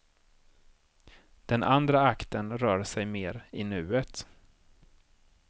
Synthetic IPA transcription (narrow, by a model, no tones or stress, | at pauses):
d̪̥ɛnʔand̪ɾaakt̪ənɾœːɾsɛjmeːɾɪnʉ̟ːət̪